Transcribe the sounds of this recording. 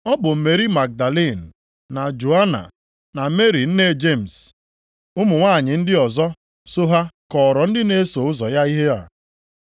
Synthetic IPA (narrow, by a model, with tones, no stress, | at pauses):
ɔ˦bʊ˨m̩˨me˨ɾi˦ma˨k̚da˨le˦˨n̩ː˨ | a˨d͡ʒo˨a˦na̰˨ | na˨me˦ɾi˨n̩˦ne˦˨d͡ʒe˦˨m̩˨s | ʊ˦mʊ˨ŋʷaː˦˨ɲɪ˨n̩˦dɪ˦ɔ˨zɔ˦ | so˦ɦa˦kɔ˨ɾɔ˨n̩˦dɪ˦ne˦so˨ʊ˦zɔ˨ja˦i˦ɦe˦a̰˨